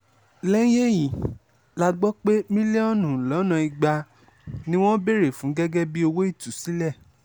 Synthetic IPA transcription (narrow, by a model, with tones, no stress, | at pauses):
lɛ̃˦je˦jĩ˨ | la˧ɡ͡bɔ˦k͡pe˦mĩ˦le˦ɔ˦˨nũ˨lɔ˨˦nã˧i˧ɡ͡ba˧ | nĩ˦w̃ɔ̃˦be˦˨ɾe˨fũ˨˦ɡɛ˦ɡɛ˦bi˦o˧wo˦i˦˨tu˨si˨˦lɛ˦˨